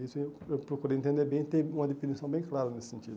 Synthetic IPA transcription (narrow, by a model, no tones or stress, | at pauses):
isʊeewpɾokuɾeẽẽnd̪eɾbẽj̃t̪ẽj̃ũmɐd̪efinisɐ̃w̃bẽj̃klaɾɐnesɪ̥sẽnt͡ʃid̪